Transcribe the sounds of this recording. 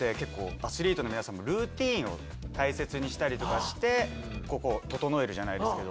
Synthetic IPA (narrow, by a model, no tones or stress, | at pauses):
e̞ke̞kːo̞ːasɨɾʲiːt̪o̞no̞mʲinasãmːo̞ɾɯ̟ːt̪ʲĩːɰ̃o̞̰ | t̪aise̞t͡sɨɲ̟iɕi̥t̪aɾʲit̪o̞kaɕi̥t̪e̞ | ko̞ko̞t̪o̞t̪o̞no̞e̞ɾɯ̟ʑanaid̪ske̞d̪o